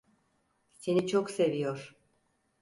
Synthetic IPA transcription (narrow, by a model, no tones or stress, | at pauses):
se̞nit͡ʃʰokse̞vijoɾ̥